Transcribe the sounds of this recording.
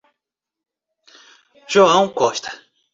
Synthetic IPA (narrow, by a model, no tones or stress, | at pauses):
ʒ̥oɐ̃w̃kõʃt̪ɐ̥